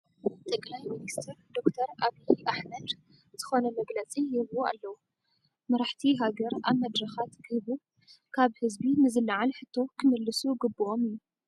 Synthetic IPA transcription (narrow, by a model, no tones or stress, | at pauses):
t̪ʼɨkʼlajminist̪ʰɨɾd̪o̞kt̪ʰɐɾʔaβijʔaħmɐd̪ | z̥ɨxo̞nɐmɐɡlɐt͡sʼijɪβua̰lːɐwu | mɐɾaħt̪ʰiɦaɡɐɾaβmɐd̪ɾɐxat̪ɡɨhβu | kʰaβhɨzbinɨzɨlːaʕalħɨt̪ʰːo̞kʰɨmɨlːɨsuɡɨbːɨʔo̞mijːu